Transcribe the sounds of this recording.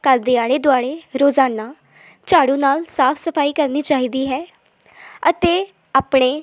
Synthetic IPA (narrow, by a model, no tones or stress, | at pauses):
kəld̪eːaːɽeːd̪ʊaːɽeːɾoːzaːnaː | t͡ʃaːɽũːnaːlsaːpʰsəpʰaːiːkəɾniːt͡ʃaːɦiːd̪iːɦɛː | ət̪eː | aːpɳeː